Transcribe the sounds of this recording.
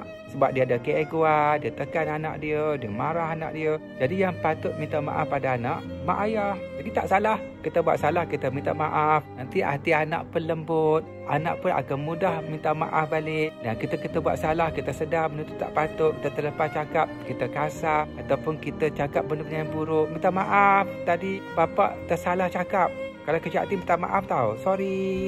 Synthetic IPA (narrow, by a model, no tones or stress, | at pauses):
səbap̚diəadakəʔeɡuadiət̪əkanana̰ʔdiədiəmaɾahana̰ʔdiə | d͡ʒadijaŋpat̪ʊt̪̚mĩnt̪aʔma̰ʔa̰fpadaːnaʔmaʔajahd͡ʒaɡit̪aʔsalahkit̪əbua̰ʔ̪̚salahkit̪əmĩnt̪aʔmaʔafnant̪iʔa̰t̪iana̰ʔpənləmbʊt̪̚ʔana̰ʔpʊna̰kanmudahmint̪aʔma̰ʔafbalɪʔdankit̪akit̪əbua̰ʔ̪̚salahkit̪əsədamənunt̪ut̪ːa̰ʔpat̪ʊʔkit̪ət̪ələpat͡ʃakap̚kit̪əkasahat̪awpʊnkit̪at͡ʃakap̚bəlʊmɲajanbuɾʊʔmĩnt̪aʔmaʔaft̪adibapa̰ʔt̪əsalaht͡ʃakap̚kalakəd͡ʒa̰t̪anmint̪aʔma̰ʔaft̪ausɔɾi